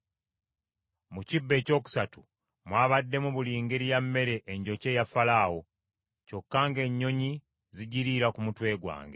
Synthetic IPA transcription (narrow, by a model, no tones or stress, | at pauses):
mucibːe̞ːco̞ːku̥satu | mwaːβadːe̞muβuliːŋɡeɾijamːe̞ɾe̞ʔeɲɟo̞ce̞jafalaːwo̞ | co̞kːaŋɡe̞ɲːo̞ɲi | ziɟiɾiɾakumutwe̞ːɡwa̰ːŋɡe̞